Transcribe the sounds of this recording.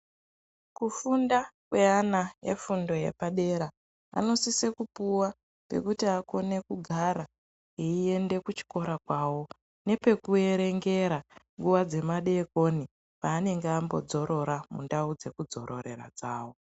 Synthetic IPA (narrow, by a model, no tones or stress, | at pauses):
kufundakwe̞anaje̞̰fundo̞je̞̰paɗe̞ɾa | a̰no̞sise̞kupuwa | pe̞̰kutiako̞ne̞kuɡʱaɾa | eie̞nde̞kut͡ʃi̥ko̞ɾakwaːwo̞ | ne̞pe̞kue̞ɾe̞ŋɡe̞ɾaŋɡuʋad͡ze̞maɗe̞ko̞ni | paːne̞ŋɡeambo̞̰d͡zo̞ɾʔo̞ɾamṵndaud͡ze̞kud͡zo̞̰ɾo̞ɾe̞̰ra̰d͡zaːwo̞